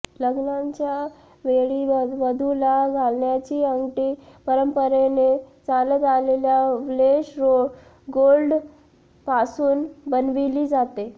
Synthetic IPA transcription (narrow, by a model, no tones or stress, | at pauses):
ləɡnaɲt͡ɕja | ʋeɭiʋʋəd̪ʱulaɡʱalnjat͡ɕiːəŋɡʈiːpəɾəmpəɾenet͡salət̪aleljaʋleɕɾo | ɡolɖ | pasuːnbənʋiliːd͡zat̪e